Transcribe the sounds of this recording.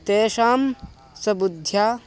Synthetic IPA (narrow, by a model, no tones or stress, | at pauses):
t̪eːʃaːm | sɐbud̪ʱjaː